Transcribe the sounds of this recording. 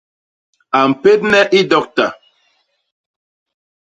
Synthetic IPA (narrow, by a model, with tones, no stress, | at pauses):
a˨m̩˨pe˦t̚nɛ˦ʔi˦dɔ˦k̚ta˨